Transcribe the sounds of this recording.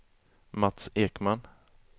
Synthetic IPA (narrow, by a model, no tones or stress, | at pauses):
mat̪seːkman